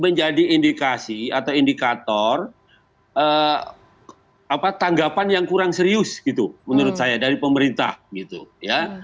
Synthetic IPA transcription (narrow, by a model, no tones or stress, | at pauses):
məɲd͡ʒadiːndikasiat̪awindikat̪ɔr | ə | apat̪aŋɡapanjaŋkuɾaŋsəɾiʊsɡ̥it̪umənuɾʊt̪̚sajadaɾipəməɾint̪a̰hɡit̪ṵja